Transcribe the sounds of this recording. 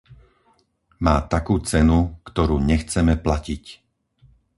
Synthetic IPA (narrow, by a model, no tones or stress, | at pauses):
maːt̪akuːt͡sɛnukt̪ɔɾuːɲɛxt͡sɛmɛplacic